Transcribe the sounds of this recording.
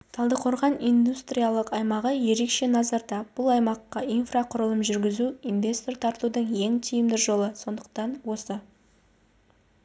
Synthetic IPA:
t̪ʰɑlˠd̪əqʰo̞ɾʁɑnijnd̪ust̪rijalˠəqɑjmɑʁəje̞ɾe̞kʃe̞nɑzɑɾd̪ɑb̥ʊlˠɑjmɑqːɑinfraqʰʊɾəlˠəmʒʏɾɡʲɪzuinvʲe̞st̪o̞rt̪ʰɑɾt̪ud̪əɴje̞ŋt̪ʰijɪmd̪ɪʒo̞lˠəso̞nd̪əq̚t̪ɑnwo̞sə

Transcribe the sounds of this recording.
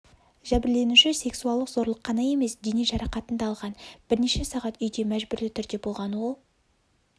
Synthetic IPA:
ʒ̥æbɪɾle̞nuʃɪse̞ksuɑlˠd̪əqzo̞ɾlˠəqːɑnɑje̞me̞sd̪enijʒɑɾɑqɑt̪ənd̪ɑːlˠʁɑnb̥ɪɾne̞ʃe̞sɑʁɑt̪ʏjd̪e̞mæʒbʏɾlɪt̪ʰʏɾd̪e̞bo̞lˠʁɑnwo̞lˠ

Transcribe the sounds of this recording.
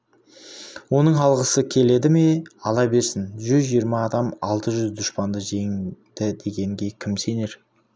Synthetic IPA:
wo̞nəɴɑlˠʁəsəkʲʰe̞le̞d̪ɪme̞ɑlˠɑbe̞ɾsɪnʒʏzʒijəɾmɑːd̪ɑmɑlˠt̪əʒʏzd̪ʊʃpɑnd̪əʒe̞ŋd̪̥ɪd̪e̞ɡʲe̞ŋɡʲe̞kʲʰɪmse̞ne̞ɾ

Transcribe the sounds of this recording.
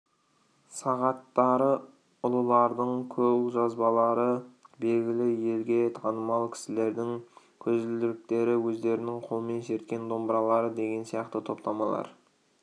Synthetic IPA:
sɑʁɑt̪ːɑɾə | ʊlˠəlˠɑɾd̪əɴkʲʰɵwʒɑzbɑlˠɑɾəbe̞lɡʲɪlɪje̞lɡʲe̞t̪ʰɑnəmɑlˠkʲʰɪ̥sɪle̞ɾd̪ɪŋ | kʲʰɵzɪlɪɾɪk̚t̪e̞ɾɪwɵzd̪e̞ɾɪnɪŋqʰo̞lˠəme̞nʃe̞ɾt̪̚kʲe̞nd̪o̞mbəɾɑlˠɑɾəd̪e̞ɡʲe̞nsijɑqt̪ət̪ʰo̞pt̪ɑmɑlˠɑ̰ɾ

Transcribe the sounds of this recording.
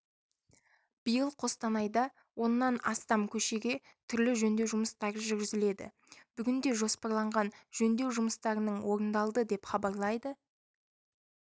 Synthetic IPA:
b̥əjəlˠqʰo̞st̪ɑnɑjd̪ɑ | wo̞nːɑnɑst̪ɑmkʲʰɵʃe̞ɡʲe̞ | t̪ʰʏɾlɪʒɵnd̪e̞wʒʊməst̪ɑɾəʒʏɾɡʲɪzɪle̞d̪ɪ̰ | b̥ʏɡʲɪnd̪e̞ʒo̞spɑɾlˠɑɴʁɑnʒɵnd̪e̞wʒʊməst̪ɑɾənəɴwo̞ɾənd̪ɑlˠd̪əd̪e̞pχɑbɑɾlˠɑjd̪ə

